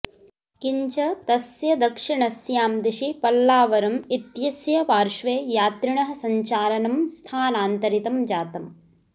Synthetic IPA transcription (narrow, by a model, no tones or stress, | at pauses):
kiɲt͡ʃɐt̪ɐsjɐd̪ɐkʂiɳɐsjaːmd̪iʃipɐlːaːʋɐɾɐmit̪jɐsjɐpaːɾʃʋeːjaːt̪ɾiɳɐɦɐ̆sɐɲt͡ʃaːɾɐnɐmst̪ʰaːnaːnt̪ɐɾit̪ɐmd͡ʒaːt̪ɐm